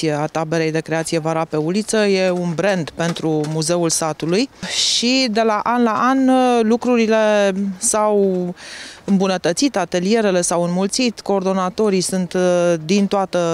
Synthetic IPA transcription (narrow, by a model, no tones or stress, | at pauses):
ijeat̪abe̞ɾe̞jd̪e̞kɾe̞at̪sije̞vaɾape̞ulit̪səje̞unbɾe̞nd̪pe̞nt̪ɾumuze̞ulsat̪ulujʃid̪e̞laʔanlaʔanlukɾuɾile̞saw | ɨmbunət̪ət̪sit̪at̪e̞lie̞ɾe̞le̞sawɨnmult̪sit̪ko̞ːrd̪o̞nat̪o̞ɾisunt̪d̪int̪oat̪ə